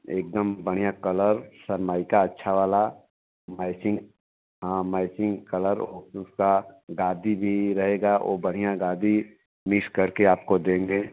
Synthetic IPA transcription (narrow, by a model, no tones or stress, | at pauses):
eːk̚d̪əmbɐɽ̤ijakɐləɾsɐɾmaːɪkaɐtːʃʰaʋaːla | maːɪsɪ̃ŋɡ | ɦãmaːɪsɪ̃ŋɡkɐləɾoːʊskaɡaːd̪ibʱiɾɐɦeːɡao̰ːbɐɽ̤̃ijaɡaːd̪ʱi | mɪkskɐɾkeaːp̚kod̪ẽːŋɡeː